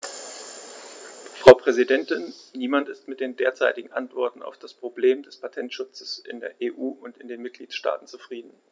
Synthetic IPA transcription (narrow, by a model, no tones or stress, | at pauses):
fʁ̥aʊpʁ̥ɛzidɛntɪnniːmantɪstmɪt̚d̥eːndeːɐt͡saɪtɪɡŋ̩ʔantv̥ɔɐtn̩a̰ʊfd̥aspʁ̥obleːmdɛspʰatʰɛntʃʊt͡səsʔɪ̰ndeːɐʔeːʔuːʔʊntɪndeːnmɪt̚ɡ̥liːtʃta̰ːtn̩t͡sufʁ̥iːdn̩